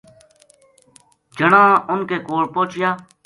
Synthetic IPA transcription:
d͡ʒəɳãːʔʊnkeːkoːɽpõːt͡ʃjaː

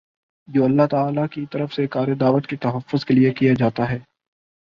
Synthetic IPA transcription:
d͡ʒoːɐlːaɦt̪aːlakit̪ɐɾəfsekaːɾed̪aːʋət̪kit̪ɐɦəfːʊzkeliekijad͡ʒaːt̪aɦɛː

